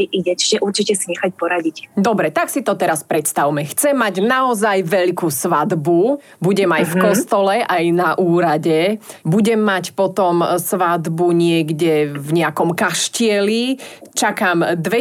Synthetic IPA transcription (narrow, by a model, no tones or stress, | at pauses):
ʔiɟɛt͡ʃi̥ʒɛʔuɾt͡ʃicɛsiɲɛxacpɔɾaɟicd̪ɔbɾɛt̪aksit̪ɔt̪ɛɾaspɾɛt̪st̪awmɛxt͡sɛmːaɟnaɔzajʋɛʎkusʋad̪bu | buɟɛmajfkkɔsst̪ɔlɛʔajnaʔuːɾaɟɛbuɟɛmːacpɔt̪ɔmsʋad̪buɲɪɛɡɟɛvɲɛakɔmkaʃcɪɛlit͡ʃakaːmd̪ʋɛ